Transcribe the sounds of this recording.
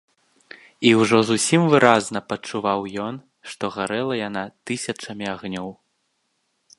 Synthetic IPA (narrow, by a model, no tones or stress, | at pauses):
iwʐɔzusʲimvɨɾʔazn̪ɐpɐt͡ʂuvawjɔn | ʂt̪ɔɣaɾɛlˠɐjan̪at̪ɨsʲɐt͡ʂɐmʲiaɣnʲɔw